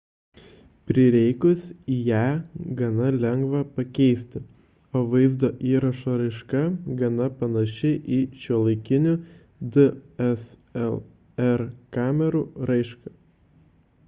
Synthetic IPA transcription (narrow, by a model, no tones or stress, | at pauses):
pʲɾʲɪɾʲɛɪkʊsijæːɡɐnɐlʲɛŋɡʋɐpɐkʲɛɪsʲt̪ʲɪ | oːʋɐɪzd̪oːʔiːɾɐʃoːɾɐɪʃkɐɡɐnɐpɐnɐʃʲɛɪʔiːʃʲuɔlˠɐɪkʲɪnʲʊ | d̪ɨɛsɛlˠ | ɛɾkɑːmʲɛɾuːɾɐɪʃkɐ